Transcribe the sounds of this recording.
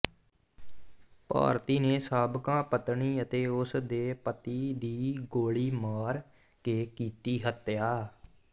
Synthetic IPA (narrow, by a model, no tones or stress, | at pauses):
pa̰ːɾt̪iːneːsaːbkãːpət̪ɳiːət̪eːʊsd̪eːpət̪iːd̪iːɡoːɭiːmaːɾ | keːkiːt̪iːɦət̪jaː